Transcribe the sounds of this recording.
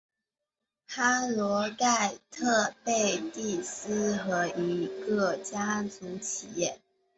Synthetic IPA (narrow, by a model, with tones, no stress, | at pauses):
xa˥lwɔ˧˥ka˥˧ɪt̪ʰɤ˥˧pe˥˧ɪt̪i˥˩sɹ̩˥xɤ˧˥i˧˥kɤ˥˩t͡ɕja˥t͡su˧˥t͡ɕʰi˨˩jɛ˥˩